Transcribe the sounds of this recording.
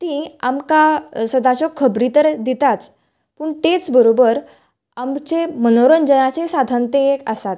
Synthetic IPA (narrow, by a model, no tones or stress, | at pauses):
t̪iamkasəd̪at͡sɔkʰəbɾit̪əɾd̪it̪at͡s | puːɳt̪et͡sbəɾobəɾ | amt͡semənoɾənd͡ʑənat͡sesad̪ʱənt̪ẽekə̰sat̪